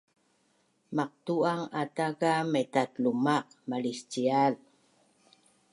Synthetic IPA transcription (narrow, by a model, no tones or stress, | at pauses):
maq̚t̪uaŋatakametat̪lumaq̚malist͡ɕial